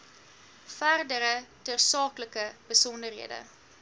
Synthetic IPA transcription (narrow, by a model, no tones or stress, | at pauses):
færdəɾətərsɑːkləkəb̥əsɔndərɦḭədə̰